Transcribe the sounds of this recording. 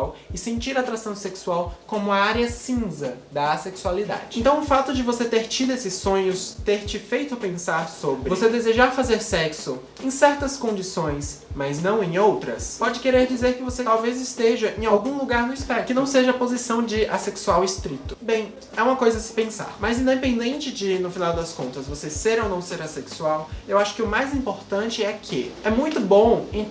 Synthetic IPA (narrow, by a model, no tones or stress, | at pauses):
awɪsẽnt͡ʃiɾat̪ɾasɐ̃w̃seksuawkõmʊɐaɾjɐsĩzɐd̪ɐːseksualid̪a̰d͡ʒɪẽnt̪ɐ̃w̃ʊfat̪ʊd͡ʒɪvoset̪eɾt͡ʃid̪ʊesɪsːõɲʊst̪eɾt͡ʃɪfejt̪ʊpẽsaɾsobɾɪvosed̪ezeʒaɾfazeɾsɛksʊ | ẽj̃sɛɾt̪ɐskõd͡ʒisõj̃smɐznɐ̃w̃ẽj̃owt̪ɾɐ̰spɔd͡ʒɪkeɾeɾd͡ʒizeɾkɪvoset̪awvezɪst̪eʒɐʔẽj̃awɡũluɡaɾnʊispɛkɪnɐ̃w̃seʒɐːpozisɐ̃w̃d͡ʒɪaseksuawist̪ɾit̪ʊ̥bẽj̃ | ɛũmɐkojzɐsɪ̥pẽsa̰ɾmɐzĩd̪epẽnd̪ẽnt͡ʃɪd͡ʒɪnʊfinawd̪ɐskõnt̪ɐsvoseseɾonɐ̃w̃seɾaseksuawewaʃʊ̥kɪʊmajzĩmpoɾt̪ɐ̃nt͡ʃɪɛkʰɪ̰ɛmũj̃t̪ʊbõẽ